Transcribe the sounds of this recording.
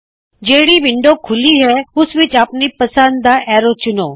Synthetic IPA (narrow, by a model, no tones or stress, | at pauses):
d͡ʒeːɽiʋɪ̃ɳɖokʰʊliɦɛʊsʋɪt͡ʃapnipɐsə̃nd̪d̪aʔɛːɾot͡ʃʊnoː